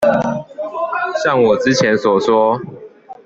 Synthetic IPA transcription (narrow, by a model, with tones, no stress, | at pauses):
ɕjɑ˥˨ŋwɔ˨˩ʈ͡ʂɻ̩˦t͡ɕʰjɛ˨˦nswɔ˨˩swɔ˦